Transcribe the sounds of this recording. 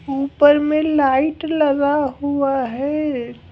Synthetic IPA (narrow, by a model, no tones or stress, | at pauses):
uːpəɾmẽlaːɪʈlɐɡaɦuaɦɛː